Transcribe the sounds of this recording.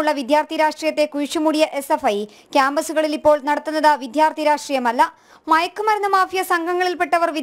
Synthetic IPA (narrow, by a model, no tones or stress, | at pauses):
ɭːɐʋid̪ʱjaːrt̪ʰijɐɾaːʂʈriːjɐt̪ːe̞kuɻʂumuɽijɐʔe̞sefɐj | kʲjaːmbɐsuɣɐɭilipːo̞ːɭnɐɽɐt̪ːunːɐðaʋid̪jaːrt̪ʰiɐɾaːʂʈriːjɐmɐlːɐ | mɐjɐkːumɐɾɐnɐmaːfijɐsɐŋɡʱɐŋːɐɭilpe̞ʈːɐʋɐrʋi